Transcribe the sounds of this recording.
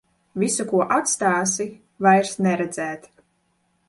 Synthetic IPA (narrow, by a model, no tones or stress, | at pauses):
vʲisukuɔʔat̪st̪aːsi | vajɾsnɛɾɛd̪z̥ɛːt̪